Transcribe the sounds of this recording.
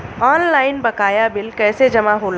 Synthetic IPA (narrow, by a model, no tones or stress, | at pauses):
aːnlaːɪnbɐkaːjabɪlkɛːsed͡ʒɐmaɦoːl